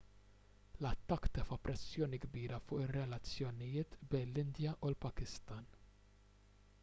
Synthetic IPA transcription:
lɐt̪ːɐkːt̪ɛfɐpːɾʔɛsːjɔːniɡbiːɾɐfʊːʔɪrːɛlɐt͡sːjɔnɪjɪːt̪bɛjnlɪnd̪jɐʔulpɐkɪst̪ɐːn

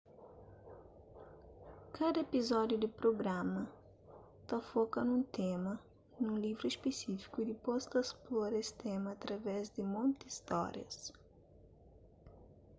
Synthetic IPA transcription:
kʰad̪ɐepizɔd̪jʊd̪ɪpɾoɡɾamɐ | t̪afɔkɐnũt̪emɐ | nũlivɾʊispesifi̥kʊd̪ɪpɔst̪ɐsplɔɾɐest̪emɐːt̪ɾɐvɛzd̪ɪmõnt̪iist̪ɔ̰ɾjɐ̰s

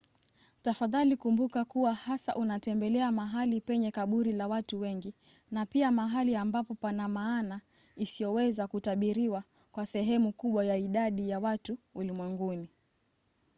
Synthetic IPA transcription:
tafaðalikumbukakuwahasa̰ʔunatɛmbɛlɛamaɦalipɛɲɛkaɓuɾilawatuwɛŋɡi | napiamaɦaliambapɔpanamaːna | isijɔwɛzakutaɓiɾiwa | kwasɛɦɛmukuɓwajaiɗaɗijawatuulimwɛŋɡuni

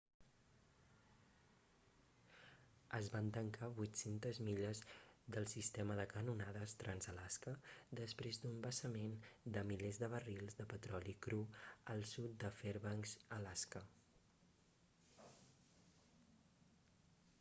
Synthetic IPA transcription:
əzβant̪əŋkaβujt̪sent̪əzmiʎəzd̪əlˠsist̪ɛməðəkənunað̞əst̪ɾʔənzəlaskəd̪əspɾezd̪umbəsəmend̪əmilezðəβ̞ərilˠzðəpət̪ɾɔlikɾuəlˠsut̪̚d̪əfeɾβaŋzəlaskə

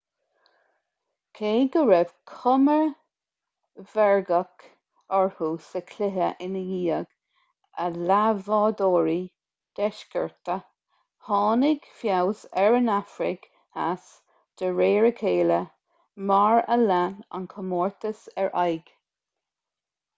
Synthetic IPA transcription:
kʰeːɡəɹɛv̥kʰʊməɹ | vɛɹɡək | ɔɹhuːsəkʰlɪɦəʔɪnəjiːəɡ̥ | əlavɑːd̪oːɹi | d̪̥ɛʃkəɹt̪ə | hɑːnɪɡ̥fjawsɛɹənafɾɪ̰ɡ | as | d̪̥əɹeːɹəkʰeːlə | maɹə̰lana̰nkʰəmɔːɹt̪əsɛɹʔajɡ̥

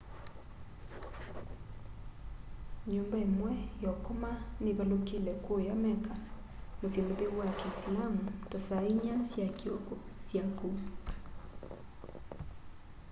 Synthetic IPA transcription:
ɲombaemwɛjɔkomaneβalokelɛkwojamɛka | mosemoðewwakɛislamutasaiɲasjakiokosjaku

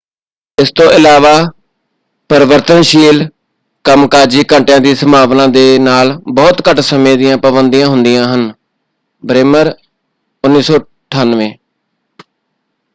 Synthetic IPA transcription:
ɪst̪õːʔɪlaːʋaː | pəɾʋəɾt̪ənʃiːl | kəmkaːd͡ʒiːkə̃ɳʈjãːd̪iːsəmaːʋnãːd̪eːnaːlbɔːt̪kəʈsəmẽːd̪ɪjãːpəbənd̪ɪjãːɦʊnd̪ɪjãːɦən | bɾeːməɾ | ʊnːiːsɔː | ʈʰaːnʋẽː

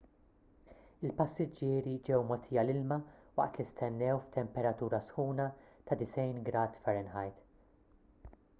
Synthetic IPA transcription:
ɪlpɐsːɪd͡ʒːɪːɾid͡ʒɛwmɔt̪ʰiːjɐlɪlmɐwɐ̰ʔt̪list̪ɛnːɛwft̪ɛmpɛɾɐt̪uːɾɐsħuːnɐt̪ɐd̪ɪsɛjnɡɾɐːt̪fɛɾɛnħɐjt̪

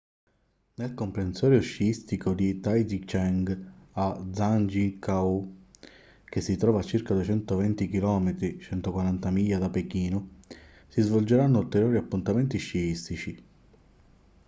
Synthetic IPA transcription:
nelkompɾensɔːɾjoʃiist̪ikʰod̪it̪ajd̪it͡ʃɛŋɡad̪zːand͡ʒikau | k̟esːit̪ɾɔːvat͡ʃːirkad̪uet͡ʃɛnt̪ovɛnt̪ikilɔːmet̪ɾit͡ʃɛnt̪okwaɾant̪amiːjad̪apekiːno | sizvold͡ʒeɾanːʊult̪eɾjoːɾiapːunt̪ament̪iʃiist̪it͡ʃi

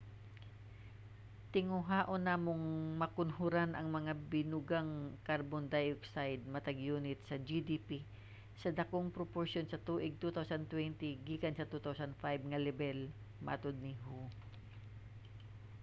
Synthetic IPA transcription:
t̪ɪŋʊɦaːʔonaːmoŋmɐkʊnhʊɾanʔɐŋmɐŋabɪnʊɡaŋkaɾbond̪ajoksajd̪̚mɐt̪ɐɡjuːnɪt̪sɐd͡ʒid̪ipi | sɐd̪ɐkoŋpɾopoɹʃonsɐt̪uːʔɪɡ̚t̪ut̪awsɐnt̪wɛnt̪ɪɡiːkɐnsɐt̪ut̪awsɐnd̪fajb̚ŋɐlɛbɛl | mɐ̰ʔt̪od̪̚nɪɦu

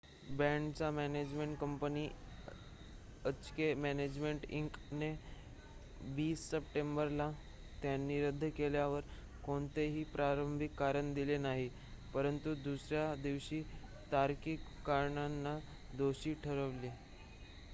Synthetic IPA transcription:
bɛ̃ɳɖt͡samæned͡ʑmẽɳʈkəmpəniː | ət͡skemæned͡ʑmeɳʈiŋkne | ʋiːsːəp̚ʈembəɾla | t̪janːiːɾəd̪ʱːəkeljaʋəɾ | koɳt̪eɦiːpɾaɾəmbʱikːaɾəɳd̪ilenaɦi | pəɾənt̪ud̪usɾjad̪iʋɕiː | t̪aɾkikːaɾɳanːa | d̪oɕiːʈʰəɾəʋli

